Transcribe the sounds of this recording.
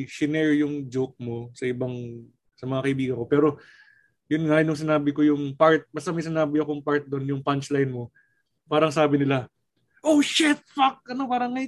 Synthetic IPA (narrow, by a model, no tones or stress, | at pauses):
ʃɪnɛɹjʊŋd͡ʒok̚mo̞sɐʔɪbaŋ | sɐmɐŋakɐʔɪbiːɡɐnko̞pɛːɾo̞ | jʊnŋanʊŋsɪnaːbɪko̞jʊŋpaɹt̪̚bɐst̪ɐmɐjsɪnaːbɪɐko̞ŋpaɹt̪̚d̪o̞njʊŋpant͡ʃlajnmo̞ | paːɾɐŋsaːbɪnɪla | ʔoʃɛt̪̚fak̚ʔɐno̞paːɾɐŋɐj